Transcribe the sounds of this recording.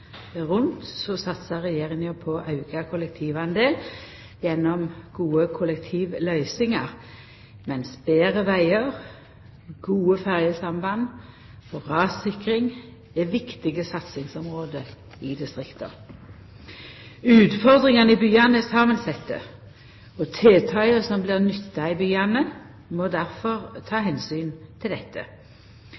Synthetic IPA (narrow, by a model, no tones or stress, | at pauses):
ʁʊnt̪sɔsɑt̪səʁɛjeːʁɪŋəpʰɔʔɑʉɡɑkʰʊlɛk̚t̪ʰiːʋɑnd̪eːl | jɛnːɔmɡ̥uːəkʰʊlɛkt̪ʰiːʋlœʏsɪŋɑʁ | mɛnsb̥eːʁəʋæɪəʁ | ɡ̥uːəfæʁjəsɑmbɑn | fɔʁɑːsɪkʁɪŋ | ɛʋɪkt̪ɪɡəsɑt̪sɪŋsɔmʁoːd̪ə | ɪd̪ɪst̪ʁɪkt̪ʰə̰ | ʉːt̪fɔʁd̪ʁɪŋɑnəɪbyːɑnəɛsɑːmənsɛt̪ːə̰ | ɔt̪ʰeːt̪ʰɑʏəsɔmblɪːʁnʏt̪ːɑɪbyːɑnə | moːd̪æʁfɔʁt̪ʰɑːhɛnsyːnt̪ʰɪld̪ɛt̪ʰːə̰